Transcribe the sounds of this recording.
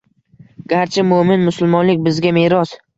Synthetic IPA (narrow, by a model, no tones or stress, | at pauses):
ɡ̥ʲaɾt͡ʃʰɪmʊmɪnmʊsʊlˠmɒnlɪk̚ʲbɪzɡʲameɾɒs